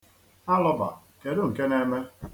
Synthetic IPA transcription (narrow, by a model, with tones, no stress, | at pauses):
a˦lɔ˦ba̰˨ | ke˨dʊ˦ŋ̩˨ke˦ne˦me˦